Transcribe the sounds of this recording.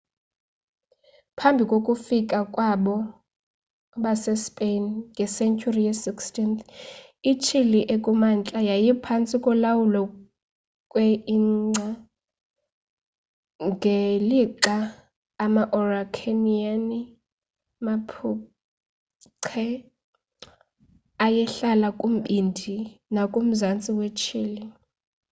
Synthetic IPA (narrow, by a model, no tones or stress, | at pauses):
pʰambʱikʼokʼufikʼakʼwaɓɔ | ɓasɛspʼenŋɡʱɛsɛnt͡ʃʰʼuriasikstint̪ | it͡ʃʰiliʔekʼumant͡ɬʼajajipʰant͡sʼikʼɔlawulɔ | kʼweiŋ͡ǀʱa | ŋɡʱeliǃaː | maʔɔrakʰeniani | mapʰu | ǀʰɛ | ajɛɬalakʼum̩ɓindʱinakʼum̩zant͡sʼiwet͡ʃʰiːli